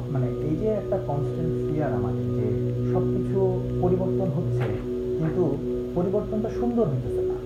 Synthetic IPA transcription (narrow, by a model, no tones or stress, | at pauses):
maneʔejd͡ʒeɛk̚ʈakɔnsʈenfiaɾamad̪eɾkḛʃɔb̚kit͡ɕʰu | poɾiboɾt̪onɦot̪ːt͡ɕʰe | kint̪u | poɾiboɾt̪ont̪aʃund̪oɾɦet̪ːotʰet̪a̰